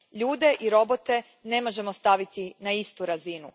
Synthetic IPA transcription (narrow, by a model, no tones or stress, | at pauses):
ʎuːd̪e̞ʔiɾo̞bo̞t̪e̞ | ne̞mo̞ʒe̞mo̞st̪aʋit̪inaist̪uɾazinu